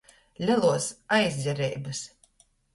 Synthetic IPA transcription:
lʲalˠuɔsajzʲdʲɛɾɛjbɨs

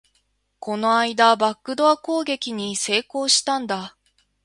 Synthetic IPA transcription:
ko̞no̞aid̪abakːɯ̟d̪o̞ako̞ːɡe̞kʲiɲ̟ise̞ːko̞ːɕi̥t̪ãnd̪a

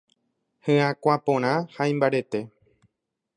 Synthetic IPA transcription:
hɨ̃ãkʷapõɾ̃ãhaĩmbaɾe̞t̪e̞

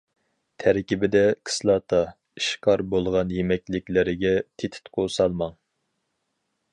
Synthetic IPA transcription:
t̪ʰæɾkʲibɪd̪ɛkʰɨ̥slˠɑt̪ʰɑ | iʃqʰɑɾbolˠʁɑnjemɛkʲlɪkʲlɪɾɪɡʲɛt̪ʰet̪ʰɪ̥t̪qʰosɑlˠmɑŋ

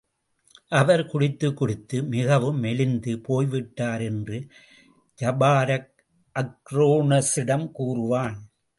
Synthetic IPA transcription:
ʔɐʋɐɾkʊɽɪt̪ːɯkːʊɽɪt̪ːɯmɪɣɐʋɯmːɛlɪnd̪ɯpoːjʋɪʈːaːɾɛndrɯ | d͡ʒɐbaːɾɐk̚ | ʔɐkɾoːnɐsɪɽɐmkuːrɯʋaːn

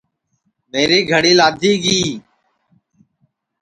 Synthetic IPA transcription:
meːɾeːɡʱəɽiːlaːd̪ʱiːɡiː

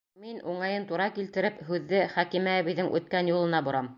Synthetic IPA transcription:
minuɴɑjɤnt̪uɾɑkilt̪ɘ̆ɾɘpɦʉðːɘχækimæβĭðɘŋʔʉ̰t̪̚kænjulˠɤ̆nɑbŏɾɑm

